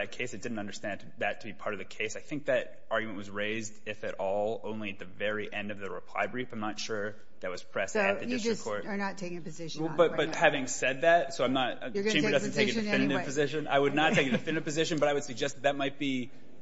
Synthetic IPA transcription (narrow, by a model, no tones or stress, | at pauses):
ɨt̚kʰeɪsɨt̚d̥ɪdⁿn̩tʌ̃ndə˞stæ̃ntʰðɨtʰɨbipʰɑɹɾʌvðɨkʰeɪsaɪθɪ̃ŋk̚ðɨɾ | ɑɹɡjmɨ̃nʔwʌzɹeɪzdɪfɨɾʔɔlˠõʊ̃nliɨt̪̚ðɨvɛɹiʔɛ̃ndʌvðɨɹɨ̰pʰl̥a̰ɪbɹifãɪ̃mnətʃʊɹ | ðɨt̚wʌz̥pʰɹ̥ɛstɨðɨɪstɹkʰɔɹt̚ənətʰeɪkɪ̃ŋəpɨzɪʃbʌt̚bʌt̚hævɪ̃ŋsɛd̪̚ðæt̚soʊãɪ̃mnət̚ | ɡt͡ʃẽɪ̃bədʌzn̩tʰeɪkɨɨfɪ̃nɨɾɨvpʰɨzɪʃɨ̃na̰ɪwɨdⁿnətʰeɪkɨdɨfɪ̃nɨɾɨvpɨzɪʃɨ̃nbʌɾaɪwɨd̥sɨɡ̚d͡ʒɛst̪̚ðɨt̚maɪt̚b̥i